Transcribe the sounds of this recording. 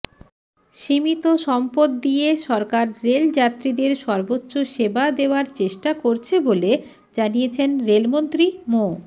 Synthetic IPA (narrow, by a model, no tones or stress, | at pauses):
ʃimit̪oʃɔmpod̪ːijeʃɔɾkaɾːeld͡ʑat̪ːɾid̪eɾʃɔɾbotːɕoʃebad̪eoaɾt͡ɕeʃʈakoɾt͡ɕʰebole | d͡ʑanijet͡ɕʰenɾelmont̪ɾimo